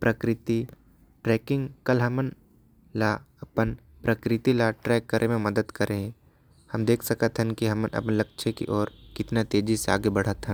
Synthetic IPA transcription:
pɾʔɐkɾɪt̪i | ʈɾɛːkɪ̃ŋɡkɐlɦɐmən | laːɐpən | pɾɐkɾɪt̪ilaʈɾɛːkːəɾʔemẽmɐd̪əd̪kɐɾeɦɛ̃ | hɐmd̪eːkʰsɐkət̪ɦənkiɦɐmənʔɐ̰pnlɐk̚t͡ʃʰekḭʔɔːɾkɪt̪nat̪eːd͡ʒisea̰ːɡebɐɽ̤ət̪ʰɦə̃n

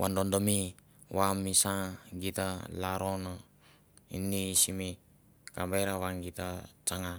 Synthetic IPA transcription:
wandɔndɔmi | wamːisaɡit̪alaɾona | ḭnːisimi | kambeɾawaŋɡit̪at͡ʃaŋa

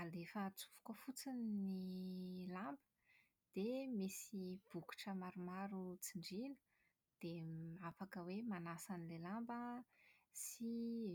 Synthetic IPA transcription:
alefət͡su̥v̥u̥kofut͡sinnilambə̥ | d̪̥emisib̥uku̥ʈ͡ʂəmaɾumaɾut͡siɳɖ͡ʐinə̥ | d̪̥eafakəwemanasanilelambə | si

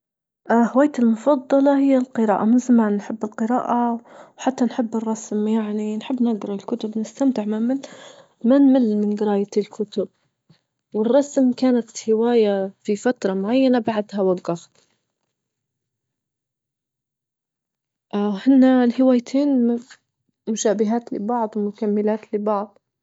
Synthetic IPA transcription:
ʔhɪwaːjt̪ɪlmʊfɑd̪ˤːɑlɑhɪjːalqɨɾaːʔamɪnzamaːnnħɪbːɪlqɨɾaːʔawħat̪ːanħɪbːɪrˤːɑsmjaʕninħɪbːnɪɡɾɑɪlkʊt̪ʊbnɪst̪amt̪ɪʕmamɪl | manmɪlmɪnɡɪɾɑːjaɪlkʰʊt̪ʊb̚ | wɪrˤːɑsmkaːnat̪hɪwaːjafifat̪ɾˤɑmʊʕajːanabaʕd̪hawaɡːaft̪ | ʔhɪnːalhɪwaːjt̪ʰeːnm | mʊʃaːbɪɦaːt̪lɪ̰bɑʕd̪ˤwmʊkamːɪlaːt̪lɪbɑʕd̪ˤ

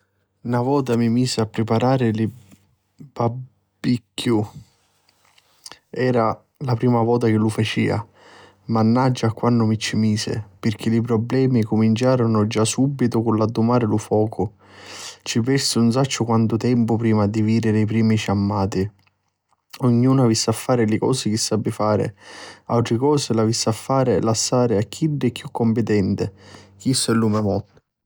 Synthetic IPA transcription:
navɔːt̪amimiːsɪapːɾɪpaɾaːɾɪlɪ | ba | bikːju | ɛːɾa | lapɾiːmavɔːt̪̬ak̟ɪlufat͡ʃḭːa̰ | manːad͡ʒːakːwanːʊmit͡ʃːimiːsɪ̰pɪrk̟ɪlip̬ɾɔblɛːmikʊmint͡ʃaːɾʊnʊd͡ʒasːubːit̪ʊkʊnlad̪ːʊmaːɾɪlʊfɔːkʰʊ | t͡ʃipɛrsɪuns̬at͡ʃːʊkwant̪ʊt̪ɛmpʊpɾiːmad̪iviːd̪ɪɾɪip̬ɾiːmiʃamːaːt̪i | ʊɲːuːnavisːafːaːɾɪlɪkɔ̰ːsɪk̟ɪsːabːɪfaːɾɪ̰a̰lt̪ɾɪkɔːsɪlavisːafːaːɾɪlasːaːɾɪakʰːiɖːɪkːjukːɔmpɪt̪ɛnt̪ɪk̟isːʊɛlːumɛmɔ

